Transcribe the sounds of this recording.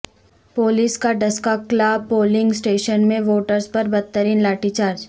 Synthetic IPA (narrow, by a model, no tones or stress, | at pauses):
poːliskaɖɐskaːkːlaːb̚poːlɪ̃ŋɡsʈeːʃənmẽʋoːʈəɾzpɐɾbɐt̪ːəɾiːnlaːʈit͡ʃaːɾd͡ʒ